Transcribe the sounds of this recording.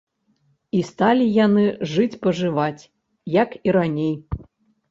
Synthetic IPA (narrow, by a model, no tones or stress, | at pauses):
ist̪alʲijanɨʐɨt͡sʲpɐʐɨvat͡sʲ | jɐkiɾanʲej